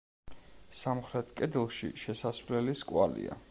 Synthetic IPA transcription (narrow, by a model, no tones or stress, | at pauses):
samχɾɛt̪ʰkʼɛd̪ɛlˠʃḭʃɛsasvlɛliskʼwalḭa̰